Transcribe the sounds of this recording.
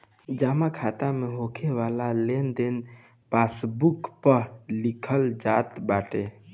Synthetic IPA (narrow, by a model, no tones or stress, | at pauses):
d͡ʒamakʰat̪ameɦokʰeʋalalend̪en | pasbukpəɾlikʰəld͡ʒat̪baʈe